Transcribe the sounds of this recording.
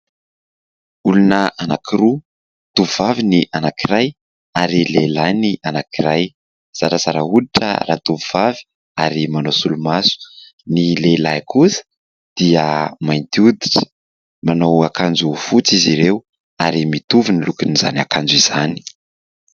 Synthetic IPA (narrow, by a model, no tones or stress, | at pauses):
ulunəʔanakʰiɾu | t̪uvuvaviniʔanakiɾaj | aɾilelajniʔanakiɾaj | z̥aɾazaɾauliʈ͡ʂə̰rat̪uvuv̥avi̥ | aɾimanowsulumasu̥ | nilelajkusə̥ | d̪̥iəmajnt̪iud̪iʈ͡ʂə̥ | manowakand͡ʒufut͡siziɾew | aɾimit̪uvinilukiniza̰nakand͡ʒuiz̥ani̥